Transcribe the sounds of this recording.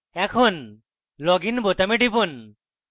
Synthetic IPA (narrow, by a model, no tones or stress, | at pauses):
ɛkʰɔn | lɔɡinbot̪ameʈibun